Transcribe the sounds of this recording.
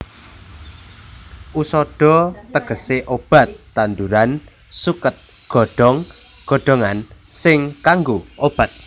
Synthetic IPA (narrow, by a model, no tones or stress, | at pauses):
ʔusɔɖ̥ɔ̤t̪əɡ̥ə̤seʔob̥a̤t̪ːand̪uɾan | sukət̪̚ | ɡ̥ɔ̤ɖ̥ɔŋɡ̥ɔ̤ɖ̥ɔ̤ŋansɪŋkaŋɡuʔob̥a̤t̪̚